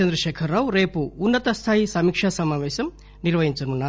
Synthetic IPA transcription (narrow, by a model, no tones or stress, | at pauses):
ɐnd̪ɾɐʃɛːkʰɐɾːaːʋɾeːpuːnːɐt̪ɐst̪ʰaːjisɐmiːkʂaːsɐmaːʋɛːɕɐm | niɾʋɐɦiɲt͡ʃɐnunːa